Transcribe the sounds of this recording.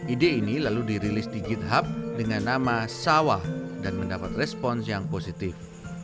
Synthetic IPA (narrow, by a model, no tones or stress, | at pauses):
ʔideinilaludiɾilɪsdiɡit̪̚ɦap̚dəŋanːamasawadanməndapat̪̚rɛspɔnsjaŋposit̪ɪf